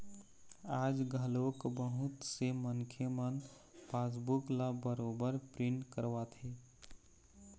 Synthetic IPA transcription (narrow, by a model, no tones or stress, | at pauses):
ad͡ʒɡʱəlokbəɦut̪semənkʰemən | pʰas̬buklabəɾobəɾpɾiɳʈkəɾʋat̪ʰi